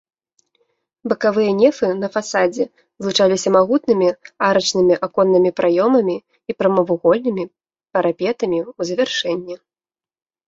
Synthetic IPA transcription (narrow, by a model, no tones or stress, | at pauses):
bɐkavɨjɐnʲɛfɨnɐfasad͡zʲɛ | zlˠut͡ʂalʲisʲɐmaɣut̪nɨmʲiaɾɐt͡ʂnɨmʲiʔakɔnːɨmʲipɾʔajɔmɐmʲiː | pɾɐmɐvuɣɔlʲnɨmʲi | pɐɾʔapʲɛt̪ɐmʲiuzɐvʲɛrʂɛnʲːɛ